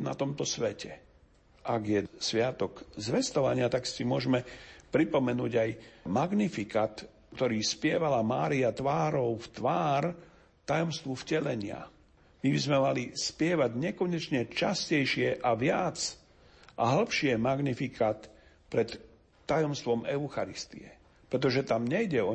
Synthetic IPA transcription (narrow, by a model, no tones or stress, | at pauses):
na̰t̪ɔmt̪ɔsʋɛcɛ | ʔaɡjɛsʋɪat̪ɔkzʋɛst̪ɔʋa̰ɲɪat̪aksimʊɔʒɛmɛpɾipɔmɛnuːɟajmaɡnifikaːt̪ | kt̪ɔɾiːspɪɛʋalamaːɾiat̪ʋaːɾɔʊft̪ʋaːɾ | t̪ajɔmst̪ʋufcɛlɛɲɪa̰ | mibizmɛmalispɪɛʋaɟɲɛkɔɲɛt͡ʃɲɛt͡ʃascɛjʃɪɛʔaʋɪat͡s | ʔaɦl̩pʃɪɛmaɡnifikʰaːt̪ | pɾɛt̪ː | ajɔmst̪ʋɔmɛʊxaɾist̪ḭɛ | pɾɛt̪̬ɔʒɛt̪amɲɛjɟɛɔ